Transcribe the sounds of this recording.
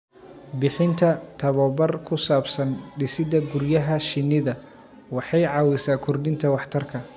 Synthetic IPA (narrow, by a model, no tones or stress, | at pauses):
bɪħɪnt̪ʰɐt̪ʰɐβɔːbɐrkʰʊsaːbsɐnɖɪsɪd̪ɐɡʊrjɐɦɐʃɪnːɪðɐ | wɑħɑjʕɑːwɪsaːkʰʊrdɪnt̪ʰɐwɑħt̪ʰɐrkʰɐ